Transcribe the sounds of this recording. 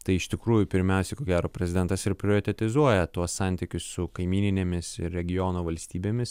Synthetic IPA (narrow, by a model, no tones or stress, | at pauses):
t̪ɐɪɪʃt̪ʲɪkɾuːjʊpʲɪɾʲmʲɛˑʊsʲɛɪkoːɡʲæːɾoːpʲɾʲɛzʲɪd̪ʲɛnt̪ɐsɪɾpʲɾʲɪoːɾɪt̪ʲɛt̪ʲɪzuɔjɛt̪uɔssɑˑnʲt̪ʲikʲʊsːʊkɐɪmʲiːnʲɪnʲeːmʲɪsɪɾɾʲɛɡʲɪjoːnoːʋɐlʲsʲt̪ʲiːbʲeːmʲɪs